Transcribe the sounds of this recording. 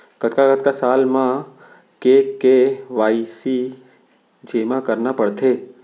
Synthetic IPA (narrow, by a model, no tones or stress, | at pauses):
kət̪kakət̪kasaːlmã | kekeʋaːisi | d͡ʒeːmãkəɾnapəɽt̪ʰeː